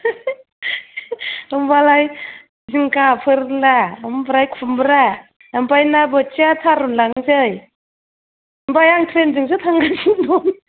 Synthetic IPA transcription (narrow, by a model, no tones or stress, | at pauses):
ɯmbalaj | ziŋkapʰɯɾlaɯmbɾajkʰumbɾa | ampajnabɯt͡ʃiat̪ʰaɾunlaŋzɯj | mbajaŋtʰɾenzɯŋsɯt̪ʰaŋɡaziŋdɔm